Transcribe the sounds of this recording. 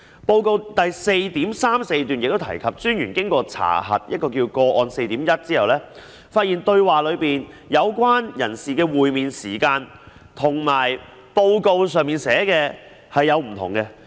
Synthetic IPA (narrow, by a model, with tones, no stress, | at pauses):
po˧wko˧wt̪ɐ˨jse˧jt̪iː˨˥msaː˥mse˧jt̪yː˨˩njɪ˨k̚t̪o˥wt̪ʰɐ̰˨˩jkʰɐ˨p̚t͡ʃyː˥njyː˨˩nkɪ˥ŋkɔː˧t͡sʰa̰ː˨˩ɦɐ̰˨t̚jɐ˥t̚kɔː˧kiː˧wkɔː˧ʔɔː˧nse˧jt̪iː˨˥mjɐ˥t̚t͡siː˥hɐ˨˩wlɛː˥ | faː˧t̚jiː˨˩nt̪ɵ˧ɥwaː˨lɵ˨˧ɥpiː˨n | jɐ˨˧wkʷwaː˥njɐ̰˨˩nsiː˨˩kɛː˧wuː˨˩jmiː˨nsiː˨˩kaː˧n | t̪ʰʊ˨˩ŋmaː˨˩j | po˧wko˧wsœː˨ŋmiː˨nsɛː˨˥kɛː˧ | hɐ˨jːɐ˨˧wm̩˨˩t̪ʰʊ̰˨˩ŋkɛ˧